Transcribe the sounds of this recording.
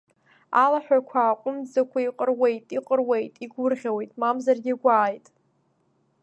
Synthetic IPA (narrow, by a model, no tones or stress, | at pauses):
alaħʷᶣakʷʰaːqʷʼʊmd͡zakʷʰaiqʼərwe̞jtʼiqʼərwe̞jtʼiɡʷʊrʁʲawe̞jtʼmamzarɡʲɪɡʷaːjtʼ